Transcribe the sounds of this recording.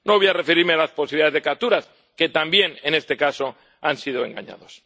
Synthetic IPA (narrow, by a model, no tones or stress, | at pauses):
noβjare̞feɾiɾmealasposiβiliaðezðekap̚t̪uɾas | ke̞t̪ambje̞nene̞st̪e̞kaso̞ | ansið̞o̞e̞ŋɡa̰ɲa̰ðo̞s